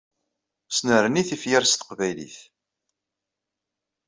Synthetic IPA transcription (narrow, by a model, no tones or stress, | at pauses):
snəɾniθifjəɾst̪ə̥qvæjlḭθ